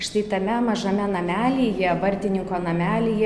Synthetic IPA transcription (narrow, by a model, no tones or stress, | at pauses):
ʃt̪ɐɪt̪ɐmʲɛmɐʒɐmʲɛnɐmʲæːlʲiːjɛbɐrʲt̪ʲɪnʲɪŋkoːnɐmʲæːlʲiːjɛ